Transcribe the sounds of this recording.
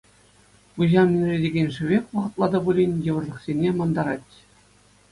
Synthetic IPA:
puʑɑmʲinʲrʲedʲeɡʲenʲʂɘ̆ʋʲekʲʋɤ̆ʁɤ̆t̪lˠɑd̪ɤ̆bulʲinʲjɤ̆ʋɤ̆rlˠɤ̆χsʲenʲemɑnd̪ɑɾɑtʲ

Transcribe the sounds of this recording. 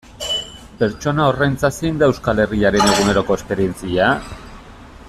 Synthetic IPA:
pe̞ɾt͡ʃo̞nao̞rejnt͡sasind̪aewskale̞riaɾe̞ne̞ɣ̞ume̞ɾo̞ko̞espe̞ɾie̞nt͡sia

